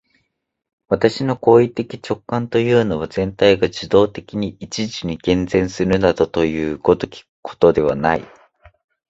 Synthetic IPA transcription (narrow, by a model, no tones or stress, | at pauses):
βat̪aɕino̞ko̞ːit̪e̞kʲi̥t͡ɕo̞kːãnt̪o̞jɯ̟ːno̞β̞azẽ̞nt̪aiɡad͡ʑid̪o̞ːt̪e̞kʲiɲ̟iit͡ɕiʑiɲ̟iɡẽ̞nd͡zẽ̞ɰ̃sɨɾɯ̟nad̪ot̪o̞jɯ̟ːko̞t̪o̞kʲi̥kɯ̥kʰo̥t̪o̞d̪e̞βa̰naḭ